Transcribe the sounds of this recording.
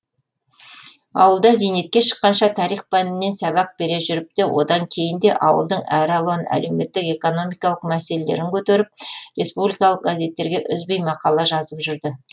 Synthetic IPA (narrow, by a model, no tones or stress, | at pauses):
ɑ̰wəlˠd̪ɑzijne̞t̪̚kʲe̞ʃə̥qːɑnʃɑt̪ʰɑɾijχpænɪne̞nsɑβɑq̚be̞ɾe̞ʒʏɾɪp̚t̪ewʔo̞̰d̪ɑɴkʲʰe̞jɪnd̪e̞ʔɑwə̰lˠd̪əɴæɾɑlˠɑnæ̰le̞wme̞t̪ːɪke̞ko̞no̞mijkɑlˠəqmæse̞lele̞̰ɾɪŋkʲʰɵt̪e̞ɾɪp̚re̞spublijkɑlˠəq̚ɡaze̞t̪ːe̞ɾɡʲe̞ʔʏzbejmɑqɑlˠɑʒɑzəpʒʏɾd̪ɪ